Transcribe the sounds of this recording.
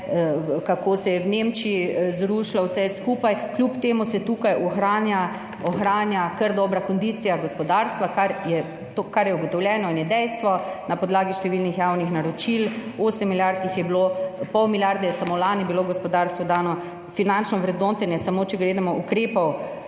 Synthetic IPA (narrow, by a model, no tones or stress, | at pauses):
kakoːsɛjɛwnemt͡ʃiizɾuːʃlawsɛskupajklʲupt̪eːmusɛt̪uːkajɔxɾaːnja | ɔxɾaːnjakəɾd̪ɔːbɾakɔnd̪it̪sijaɡɔspɔd̪aɾst̪ʋakaɾjɛ | t̪okaɾjɛuɡɔt̪ɔwljɛːnɔinjɛd̪ɛjst̪ʋɔnapɔd̪laːɡiʃt̪ɛʋilnixjaːwnixnaɾɔt͡ʃiloːsɛmːiljaɾt̪nixjɛbilopɔwmiljaɾd̪ɛjɛsamolaːnibiloɡɔspɔd̪aɾst̪ʋɔd̪aːnɔ | finant͡ʃnɔʋɾɛd̪nɔt̪ɛnjɛsamoːt͡ʃɛɡɾeːd̪amɔʔukɾeːpɔw